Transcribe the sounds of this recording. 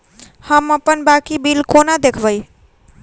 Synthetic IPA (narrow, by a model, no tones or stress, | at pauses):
həməpənbakibilkonad̪ekʰbəj